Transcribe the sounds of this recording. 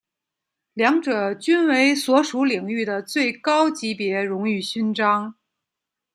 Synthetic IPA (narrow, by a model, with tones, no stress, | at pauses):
ljɑ˧˥ŋʈ͡ʂɤ˨˩t͡ɕy˥nwe˧˥ɪswɔ˧˥ʂu˧˥li˨˩ŋy˥˩d̪ə˩t͡swe˥˩ɪkɑ˥ʊt͡ɕi˧˥pjɛ˧˥ɻʊ˧˥ŋy˥˩ɕy˥nʈ͡ʂɑ˥ŋ